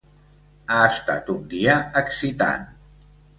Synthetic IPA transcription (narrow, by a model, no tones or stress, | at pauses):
aəst̪a̰t̪und̪iaəksit̪a̰n